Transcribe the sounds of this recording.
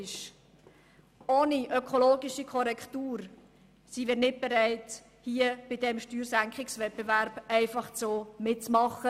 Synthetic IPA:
ʃ | oːniʔœkʰoloːɡiʃikʰɔɾɛktuːɾ | simiːɾnɪt̚b̥ɛɾɛɪt | hiəb̥ɪdɛmʃtyːɾsæŋkχɪksvɛp̚bevæɾb̥ɛɪfɑχt͡soːmɪtt͡smɑχːə

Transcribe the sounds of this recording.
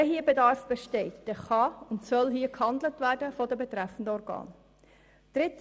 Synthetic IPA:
ɛɦiːəbɛdɑːɾfb̥eʃtɛɪtd̥ɛːχɑʊntsœlɦiːəkhɑndlətvæːɾdəfɔdəbɛt̪ɾæfən̩dəɔɾɡɑ̰ːn | d̥ɾɪt

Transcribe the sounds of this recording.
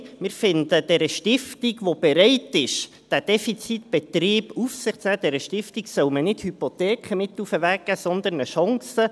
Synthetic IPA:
mɪɾfɪnd̪əd̥ɛɾəʃtɪftiɡʋob̥ɛɾɛɪtɪʃ | d̥æd̥ɛfit͡sit̪b̥ɛt̪riːb̥ufsɪχt͡snæːd̥ɛɾəʃtɪftiɡsœʊmənɪthypot̪ɛːkχəmɪt̪ːufəvæɡəsɔnd̪ənəʃɑŋsə

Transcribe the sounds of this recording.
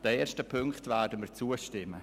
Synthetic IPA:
d̥əeːʃtəpʰʏŋktvɛːɾdəmiːɾt͡suːəʃtɪmːə

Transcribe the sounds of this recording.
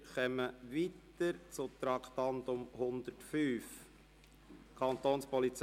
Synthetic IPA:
χœməʋit̪əɾt͡sʊt̪ɾɑkʰt̪ɑnt̪ʊmhʊnd̪ətfyːf | kʰɑnt̪oːnspɔlit͡s

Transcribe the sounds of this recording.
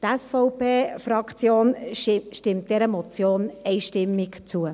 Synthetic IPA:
tɛsfɔʊpeːfɾɑkt͡sjoːnʃtɪmt̚d̥ɛɾəmɔt͡sjoːnɛɪʃtɪmːɪkt͡suə

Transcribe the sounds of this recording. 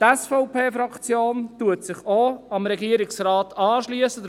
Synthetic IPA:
tɛsfɔʊpʰeːfɾɑkt͡sjoːntuətsɪχoɑmɾɛɡiəɾɪksɾɑːtʰɑːʃliəsə

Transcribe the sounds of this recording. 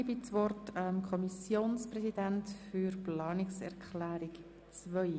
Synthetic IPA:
bit͡sʋɔrtɛmkʰɔmisjoːnsprɛsidæntfyɾplɑːnɪksɛ̰ɾkχlæːɾik | t͡svœj

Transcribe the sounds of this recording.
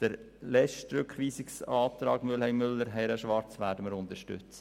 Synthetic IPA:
d̥əɾ | lɛʃtɾʏkχʋiːsɪksɑːt̪ɾɑ̰ːɡ̥mʏlhɛɪnmʏlːəɾɦɛɪɾəʃʋɑɾt͡sʋæːɾdəməɾʊntəɾʃtʏ̰t͡s

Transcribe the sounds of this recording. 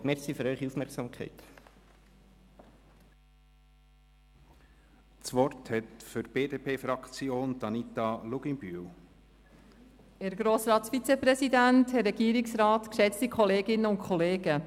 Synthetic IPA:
mɛsiføɾœʏχiufmɛɾksɑːmkχɛ̰ɪt | t͡sʋɔrthɛtfʏɾb̥eːdeːpʰeːfɾɑkt͡sjoːnt̪ɑnit̪ɑluɡ̥inbyl | æɾɡɾoːsɾɑːtsfit͡sɛprɛsidænthɛrɛɡ̥iːɾɪksrɑːtkʃɛt͡stikχɔleːɡɪnəʊntkʰχɔleːɡ̥ə

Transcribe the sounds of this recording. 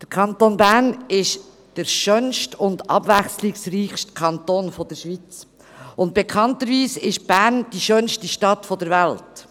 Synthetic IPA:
d̥əɾkʰɑntonbænɪʃ | d̥əɾʃœnʃtʊndɑ̰bvɛxslɪsriːχʃtkʰɑntoːnfɔd̥əɾʃʋit͡s | ʊnt̚b̥ekʰɑntəɾviːsɪʃb̥æɾnd̥iʃœnʃtiʃtɑtfɔdəɾvɛlt

